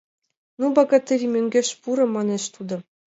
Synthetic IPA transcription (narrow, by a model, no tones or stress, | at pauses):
nubɑɡɑt̪ʲɘ̆ɾʲimʲøŋʲɡʲĕɕpuɾɤ̆mɑnʲeɕt̪ud̪ɤ̆